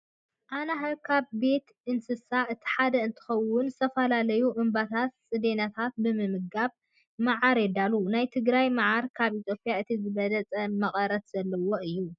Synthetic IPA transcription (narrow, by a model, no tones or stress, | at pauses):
ʔanaɦɐkʰaβːe̞t̪ | ɨnsɨsaʔɨt̪ʰi̥ħad̪ɐɨnt̪ʰɨ̥xɐwʊnzɨ̥st̪ʰɐfɐlalɐjuʔɨmbat̪ʰat̪sʼɨd̪enat̪ʰat̪̚bɨmɨmɨɡaβ | maʕaɾɛd̪alunajt̪ʰɨɡɾajmaʕaɾkʰaβit̪ʰjo̞pʼjaɨt̪ʰizɨβɐlɐt͡sʼɐmɐχʼɐɾɐt̪z̥ɐlːɐwoɨjːu